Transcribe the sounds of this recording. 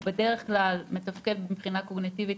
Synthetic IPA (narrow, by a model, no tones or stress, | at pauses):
bede̞ʁeχklalme̞tafkelbemχinako̞ɡnitivit